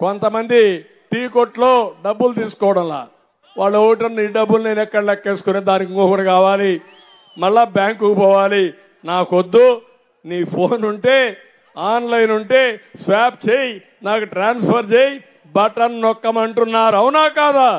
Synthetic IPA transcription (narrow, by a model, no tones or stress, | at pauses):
kɔnt̪ɐmɐnd̪i | ʈiːkoʈlo̞ːɖɐbːult̪iːsu̥kɔːʋɐɽɐmla̰ː | ʋaːɭːoːkiʈ̬ɐnniːɖɐbːulne̞ːnɛkːɐɽɐlɛkːe̞ːsu̥kuneːd̪aːnikiŋkɔkɐɽɐkaːʋaːli | mɐɭːabjaːŋkukupɔːʋaːli | naːkod̪ːu | niːpʰo̞ːnuɳʈeː | aːnlɐjnuɳʈeːsʋaːp̚t͡ʃeːji | naːkuʈɾaːnspʰɐɾt͡ʃeːji | bɐʈɐnnɔkːɐmɐɳʈunːaːɾuɐwunaːkaːd̪a